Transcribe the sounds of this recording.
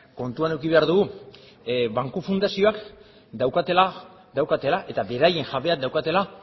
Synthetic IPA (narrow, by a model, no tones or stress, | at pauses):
ko̞nt̪uane̞wkiβe̞aɾðuɣu | βaŋkufund̪asio̞ak | d̪awkat̪e̞la | d̪awkat̪e̞laʔe̞t̪abe̞ɾaje̞ŋʝaβe̞ak̚d̪awkat̪e̞la